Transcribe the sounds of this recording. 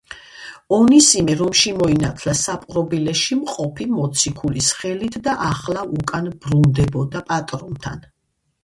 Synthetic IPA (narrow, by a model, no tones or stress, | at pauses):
ɔnisimɛɾɔmʃimɔinat̪ʰlasapʼɾɔbilɛʃimqʼɔpʰimɔt̪sʰikʰulisχɛlit̪ʰd̪aʔaχlaukʼanb̥ɾund̪ɛbɔd̪apʼat̪ʼɾɔnt̪ʰa̰n